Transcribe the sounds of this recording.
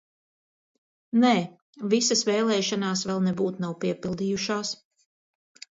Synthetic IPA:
nɛː | visasvɛːlˠɛːʃanaːsvɛlˠnɛbuːt̪nawpiɛpilˠd̪iːjuʃaːs

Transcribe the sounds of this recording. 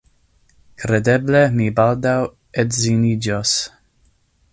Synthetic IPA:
kɾed̪eblemibald̪aw | edzinid͡ʒos

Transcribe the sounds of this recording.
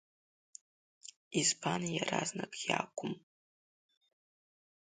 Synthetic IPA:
izpʰanjaɾaznakʼjakʷʼʊm

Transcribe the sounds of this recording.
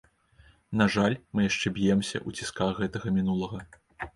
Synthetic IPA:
naʐalʲmɨjaʂt͡ʂɛbʲjɛmsʲɐ̰ʔut͡sʲiskaxɣɛt̪ɐɣɐmʲinulˠɐɣɐ

